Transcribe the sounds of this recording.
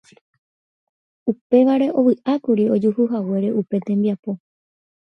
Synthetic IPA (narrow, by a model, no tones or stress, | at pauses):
upe̞ʋaɾe̞ʔo̞ʋɨʔakuɾio̞d͡ʒuhuɦawe̞ɾe̞ʔupe̞t̪ẽ̞mbiapo̞